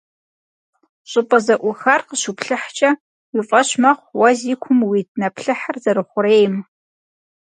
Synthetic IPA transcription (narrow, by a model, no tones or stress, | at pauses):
ɕʼɪpʼɐzɐʔʷʊxɐrqəɕupɬɨħt͡ʃʼɐ | wifʼɐɕmɐχʷwɐzikʷʰʊmwitʰʼnɐpɬɨħarzɐɾɨχʷʊɾeːjm